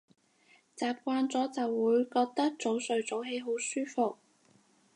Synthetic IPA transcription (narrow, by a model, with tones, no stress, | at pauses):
t͡saː˨˩p̚kʷaː˧nt͡sɔː˨˥t͡sɐ˨wːuː˨˧jkɔː˧k̚t̪ɐ˥k̚t͡so˨˥wsɵ˨˧ɥt͡so˨˥wɦe˨˧˥jɦo˨˥wsyː˥fʊ˨k̚